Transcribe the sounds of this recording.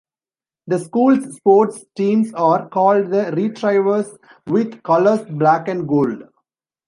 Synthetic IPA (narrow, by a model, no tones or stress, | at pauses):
d̪əskuːlsːpoːɾʈsʈĩːmsaːɾkɔːlɖd̪əɾiːʈɾaɪʋəɾs | ʋɪd̪kʌləɾsblæːkɛ̃ɳɖɡoːlɖ